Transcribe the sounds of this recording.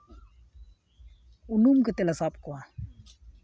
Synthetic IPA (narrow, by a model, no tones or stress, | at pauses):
unumkət̪elasap̚kua